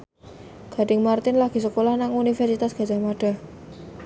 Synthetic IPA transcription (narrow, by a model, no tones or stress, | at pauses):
ɡ̥a̤ɖ̥ɪŋmart̪ɪnlaɡ̥i̤səkolahnaŋunifɛrsit̪asɡ̥a̤d͡ʒ̥a̤maɖ̥a̤h